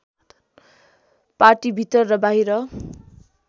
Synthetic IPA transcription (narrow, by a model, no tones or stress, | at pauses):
parʈibʱit̪ʌrːʌbaɦiɾʌ